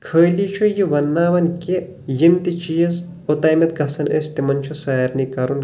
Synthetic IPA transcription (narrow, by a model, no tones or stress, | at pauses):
kʰəːjlit͡ʃʰujiʋɐnːaːʋɐnke | jimt̪it͡ʃijɐz | ot̪aːjmɐt̪̚ɡɐsɐnḛst̪imɐnt͡ʃʰusaːɐɾnikɐɾun